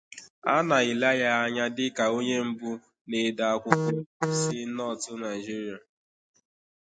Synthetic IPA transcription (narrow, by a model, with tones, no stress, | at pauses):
a̰˦na˨ɪ˨la˦ja˦a˦ɲa˦dɪ˦ka˨o˦ɲe˦m̩˦bu˦ | ne˨da˨a˦˨kʷʊ˦kʊ˦˨sɪ˦nɔ˦˨tʊ˦na˨ɪ˨d͡ʒi˦ɾi˨a˨